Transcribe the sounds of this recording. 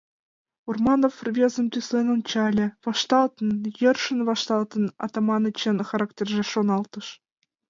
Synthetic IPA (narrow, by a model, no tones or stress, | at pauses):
urmɑnofrvʲezɤ̆mʲt̪ʲyslenɤ̆nt͡ɕɑlʲɘ̆vɑʂt̪ɑlˠt̪ɤ̆njɤ̆rʂə̆nvɑʂt̪ɑlˠt̪ɤ̆nɑ̰t̪omɑnɤ̆t͡ɕĕnxɑɾɑktʲerʲʒeʃonɑlˠt̪ɤ̆ʂ